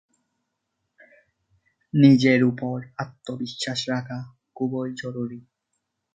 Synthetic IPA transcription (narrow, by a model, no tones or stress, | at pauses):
nid͡ʑeɾupoɾat̪ːobiʃːaʃɾakʰa | kubojd͡ʑɔɾuɾi